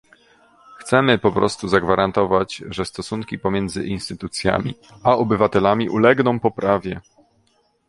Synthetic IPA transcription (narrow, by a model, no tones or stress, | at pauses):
xt̪sɛmɘpɔpɾɔ̰st̪uzaɡvaɾant̪ɔvat͡ɕʐɛst̪ɔsuŋkʲipɔmʲjɛnd̪zɘ̰ʔinst̪ɘt̪ut̪sʲja̰mʲḭ | aɔbɘvat̪ɛlamʲiʔulɛɡnɔ̃w̃pɔpɾʔavʲjɛ